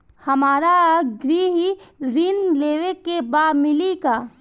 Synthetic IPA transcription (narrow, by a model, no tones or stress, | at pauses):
hɐmaːɾaɡɾiːɦiɾiːnleːʋekːebaːmɪlika